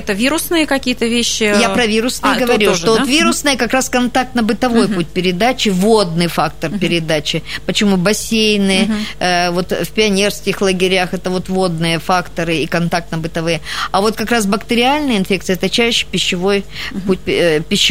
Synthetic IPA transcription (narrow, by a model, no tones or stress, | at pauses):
ɛt̪əvʲiɾʊsnɨjəkɐkʲijət̪əvʲeɕːɪjapɾɐvʲiɾʊsnɨjəɡəvɐɾʲilˠʂovot̪vʲiɾʊsnəjəkɐkɾaskɐnt̪ak̚t̪nəbɨt̪ɐvo̞jput̚ʲpʲɪɾʲɪd̪at͡ɕɪvo̞d̪̚nɨjfak̚t̪ərpʲɪɾʲɪd̪at͡ɕɪpət͡ɕɪmubɐsʲejnɨ | vo̞t̪fʲpʲɪɐnʲe̞rskʲɪxlˠəɡʲɪɾʲaxɛt̪əvo̞t̪vo̞d̪̚nɨjəfakt̪əɾɨikɐnt̪ak̚t̪nəbɨt̪ɐvɨjəɐvo̞t̪̚kɐkɾasbəkt̪ɨɾʲɪalʲnəjəɪnfʲe̞k̚t̪sɨəɛt̪ət͡ɕæɕːɪ̥pʲɪɕːɪvo̞jpput̚ʲpʲɪɕː